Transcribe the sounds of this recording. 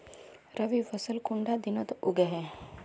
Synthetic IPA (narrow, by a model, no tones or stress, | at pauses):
ɾəʋiʋəsəlkuɳɖad̪inət̪uɡeɦɛ